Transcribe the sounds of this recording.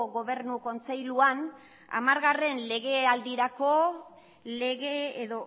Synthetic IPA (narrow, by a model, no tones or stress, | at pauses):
ɣo̞β̞e̞ɾnuko̞nt͡sejluan | a̰maɾɣare̞nle̞ɣe̞ald̪iɾako̞ | le̞ɣeːðo